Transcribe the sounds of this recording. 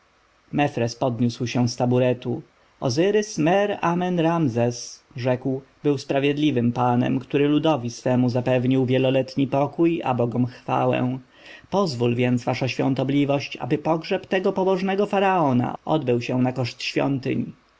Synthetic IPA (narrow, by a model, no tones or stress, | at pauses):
mɛfɾɛspɔd̪ɲuswɕɛw̃st̪abuɾɛt̪u | ɔ̰zɘɾɘsmɛɾamɛnɾamzɛsʐɛkwbɘwspɾavʲjɛd̪lʲivɘmpanɛ̰mkt̪uɾɘlud̪ɔvʲisfɛmuzapɛvɲiwvʲjɛlɔlɛt̪ɲipɔkuja̰bɔɡɔmxfa̰wɛ̰̃w̃ | pɔzvulvʲjɛnt̪zvaʂaɕfʲjɔ̰̃nt̪ɔblʲivɔɕt͡ɕa̰bɘpɔɡʐɛpt̪ɛɡɔpɔbɔʐnɛɡɔfaɾaɔna̰ɔ̰d̪bɘwɕɛw̃nakɔʂt̪ɕfʲjɔ̰nt̪ɘ̰ɲ